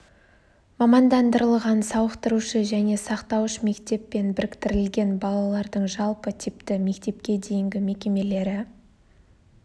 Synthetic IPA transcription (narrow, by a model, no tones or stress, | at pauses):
mɑmɑnd̪ɑnd̪əɾəlˠʁɑnsɑwəqt̪əɾuʃəʒæne̞sɑqt̪ɑwəʃme̞kt̪e̞pːe̞nbɪɾɪkt̪ɪɾɪlɡʲe̞nbɑlˠɑlˠɑɾd̪əɴʒɑlˠpət̪ʰɪpt̪ɪme̞kt̪e̞p̚kʲe̞d̪e̞jɪŋɡʲɪme̞kʲe̞me̞le̞ɾɪ